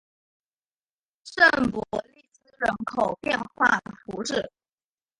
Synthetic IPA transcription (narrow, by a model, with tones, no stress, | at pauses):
ʂə˥˩npu˨˩li˥˩t͡sɹ̩˥ɻə˧˥nkʰo˨˩ʊpjɛ˥˧nxwa˥˩ə˩fu˧˥ʈ͡ʂɻ̩˥˩